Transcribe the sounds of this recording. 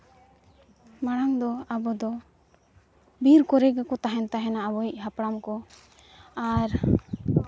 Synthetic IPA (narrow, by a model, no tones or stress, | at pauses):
maɽ̃aŋd̪ɔabɔd̪ɔ | biɾkɔɾɛɡakɔt̪aɦɛnt̪aɦɛnaabɔic̚ˀɦapɽamkɔ | aɾ